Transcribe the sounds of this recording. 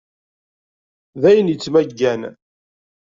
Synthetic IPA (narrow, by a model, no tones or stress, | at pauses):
ðæjənjət͡sːmæɡːæn